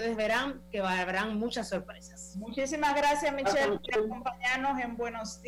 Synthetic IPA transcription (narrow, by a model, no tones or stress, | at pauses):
eðezβe̞ɾaŋke̞βalβeɾaŋmut͡ʃasːo̞ɾpɾesḁsmut͡ʃisimazɣɾasjasmit͡ʃelpoɾakko̞mpaɲaɾno̞se̞mbwe̞no̞st̪